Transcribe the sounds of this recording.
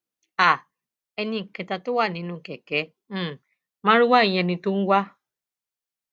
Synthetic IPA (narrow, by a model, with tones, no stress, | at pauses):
a˨ | ɛ˧nĩ˧ŋ̩˨kɛ˨ta˧to˦wa˦˨nĩ˨˦nũ˧˨kɛ˨kɛ̃˨˦˨ | mã˦ɾi˦wa˦i˨j̃ɛ̃˧nĩ˧to˦n̩˦wa˦